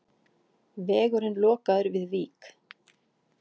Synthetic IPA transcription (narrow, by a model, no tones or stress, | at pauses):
vɛːɣʏɾɪnlɔːkaðʏɾvɪðviːk